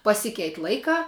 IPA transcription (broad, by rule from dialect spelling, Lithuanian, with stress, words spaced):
pɐˈsʲɪkʲɛɪtʲ ˈlˠɐɪkɑː